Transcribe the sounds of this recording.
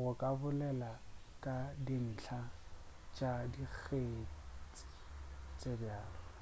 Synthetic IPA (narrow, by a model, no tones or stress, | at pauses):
ɣʊkʼabʊlɛla | kʼadin̩t͡ɬʰat͡ʃʼadik͡xʰet͡sʼɪ̥ | t͡sʼebjaːlɔ